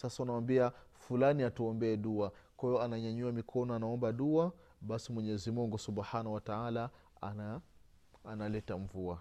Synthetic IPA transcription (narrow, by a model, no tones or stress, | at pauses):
sasaunawambiafulaniatuɔmbɛɛɗuakaɛɔanaɲaɲuamikʰɔnɔanaɔmbaɗua | ɓasimwɛɲɛzimuŋɡusubħanawataala | aa | analɛtaɱvua